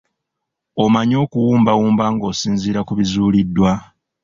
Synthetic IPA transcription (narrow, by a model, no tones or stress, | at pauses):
o̞maɲo̞ːkuwuːmbawuːmbaːŋɡo̞ːsiːnziːɾakuβizuːlidːwa